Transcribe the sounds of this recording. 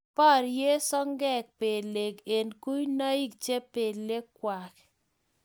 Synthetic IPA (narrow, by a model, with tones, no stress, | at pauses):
pa˦˨ɾje˦sɔ˦ŋɡɛ˦k̚pe˨le˨ɡe˨nku˦jna˦i˦kt͡ʃe˦pe˨le˦kwa˨k